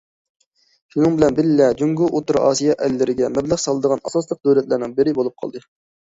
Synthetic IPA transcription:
ʃunɨŋbɪlɛnbɪllɛd͡ʒuŋɡuʔot̪uɾɑ̰ːsijɑʔɛlːɪɾɪɡʲɛmɛblæχsɑlˠɨd̪əʁɑnɑsɑslˠəq̚d̪øwlɛt̪læɾnɪŋbɪɾɪbolˠup̚qʰɑ̰lˠd̪ɨ

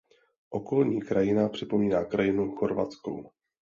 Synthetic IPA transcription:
ʔo̞ko̞lɲiːkɾajɪnapr̝̥ɪpo̞miːnaːkɾajɪnuxo̞ɾvat͡sko̰w

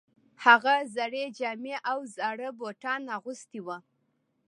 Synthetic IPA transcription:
haɣazaɽed͡ʒɑmeʔawzaɽəboʈɑnaɣʊst̪iwa

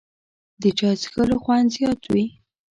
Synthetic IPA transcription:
d̪ət͡ʃɑt͡sxəloxwand̪zjɑt̪wi

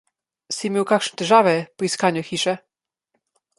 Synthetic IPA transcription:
simʲiwkakʂnt̪ɘʒavɛpɔiskaɲuxiʂɛ

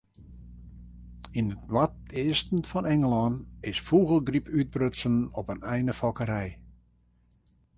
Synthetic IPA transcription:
inətwatɪːstn̩fɔnɛŋəlˠɔːnɪsfuɣəlˠɡripʰyt̚brøsənɔpənɛjnəfɔkəɾɛj

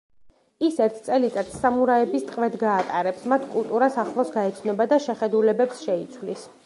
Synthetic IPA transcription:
isɛɾt̪ʰt̪sʼɛlit̪ʼat̪ʰsamuɾaɛbist̪ʼqʼvɛd̪ɡaːt̪ʼaɾɛpsmat̪ʰkʼulˠt̪ʼuɾasaχlˠɔsɡaɛt̪sʰnɔbad̪aʃɛχɛd̪ulɛbɛpsʃɛit̪sʰwlis

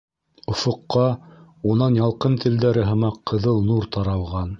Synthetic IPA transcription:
ŏfŏqːɑ | unɑnjɑlˠqɤnt̪ʰɘ̆ld̪æɾɘɦɤ̆mɑqʰːɤ̆ðɤlˠnuɾt̪ɑɾɑlˠʁɑn

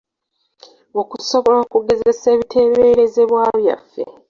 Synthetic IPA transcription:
o̞kuso̞βo̞lakuɡe̞ze̞se̞ːβitʰe̞ːβe̞ːɾe̞ze̞βwaːβja̰fːe̞̰

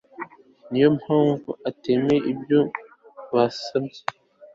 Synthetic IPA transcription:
nijo̞mhaːɱvuateːmeibjo | βasabje

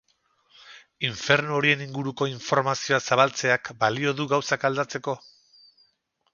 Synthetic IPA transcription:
iɱfe̞ɾnooɾie̞niŋɡuɾuko̞iɱfo̞ɾmasio̞asaβ̞alt͡se̞akbalio̞ðuɣawsakald̪at͡se̞ko̞

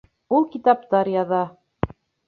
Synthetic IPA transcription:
ulˠkit̪ɑp̚t̪ɑɾjɑðɑ

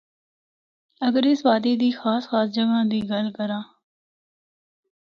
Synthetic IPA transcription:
əɡəɾɪsʋaːd̪iːd̪iːxaːsxaːsd͡ʒəɡãːd̪iːɡəlkəɾãː

